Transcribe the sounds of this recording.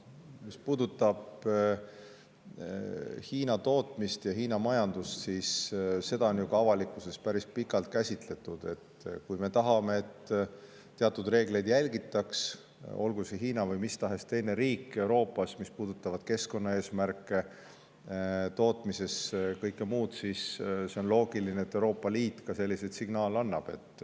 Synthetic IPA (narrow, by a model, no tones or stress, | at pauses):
mispuːd̪ut̪ːˑɑb̥ | hiːnɑt̪o̞ːt̪ˑmist̪jɑɦiːnɑmɑjɑnd̪̥ust̪sisse̞d̪ɑo̞njuɡ̥ɑɑvɑlikːˑuse̞spæɾispikˑɑlt̪̚kæsʲit̪le̞t̪ːud̪̥e̞t̪ːˑkujme̞t̪ɑɦɑme̞et̪ː | eɑt̪ːˑud̪re̞ːɡ̥le̞jd̪̥jælʲɡit̪ːˑɑks | o̞̰lɡuseɦiːnɑvɤjmist̪ɑɦe̞st̪e̞jne̞ɾiːkːe̞wɾo̞ːpːˑɑsmispuːd̪̥ut̪ːˑɑvɑd̪̥ke̞sko̞nːɑe̞ːsmærkˑːe̞ | t̪o̞ːt̪mise̞skɤjkːˑemuːd̪̥sisse̞o̞nlo̞ːɡ̥ilineet̪ːˑe̞uɾo̞ːpːˑɑliːt̪ːˑkɑse̞lːised̪siɡ̥nɑːlɑnːɑb̥e̞̰t̪ːˑ